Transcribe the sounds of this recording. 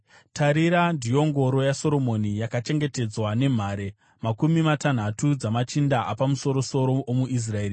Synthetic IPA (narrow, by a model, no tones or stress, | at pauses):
tʰaɾiɾandijo̞ŋɡo̞ɾo̞jaso̞ɾo̞mo̞nijakat͡ʃe̞ŋɡe̞te̞d͡zwane̞m̤aːɾe̞ | makumimatan̤atud͡zamat͡ʃindaʔapamuso̞ɾo̞so̞ɾo̞ʔomuʔis̬rae̞ːri